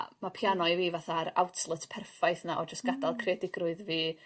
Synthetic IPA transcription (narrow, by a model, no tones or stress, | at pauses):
mapʰjanɔɨviːvaθaɾa̰wtʰlˠətʰpʰɛrfajθnaʔɔd͡ʒəstɡ̥adalˠkʰredɪɡrʊɨðviː